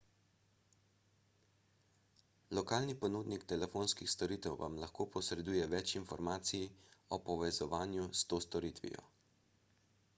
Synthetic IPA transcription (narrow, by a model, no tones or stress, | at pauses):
lɔkaːlnipɔnuːd̪nikt̪ɛlɛfoːnskixst̪ɔɾiːt̪ɛwʋa̰mlaxkoːpɔsɾɛd̪uːjɛʋɛt͡ʃinfɔɾmaːt̪sijiɔpɔʋɛzɔʋaːnjust̪oːst̪ɔɾiːt̪ʋḭjɔ̰